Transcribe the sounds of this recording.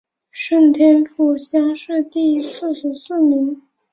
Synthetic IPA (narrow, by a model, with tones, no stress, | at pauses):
ʂə˥˩nt̪ʰjɛ˥nfu˥˩ɕja˥ʂɻ̩˥˧t̪i˥˧sɹ̩˥˧ʂɻ̩˧˥sɹ̩˥˩mi˧˥ŋ